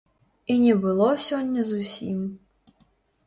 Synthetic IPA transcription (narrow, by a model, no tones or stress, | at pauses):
inʲɛbʊlˠɔsʲɔnʲːɐzʊsʲim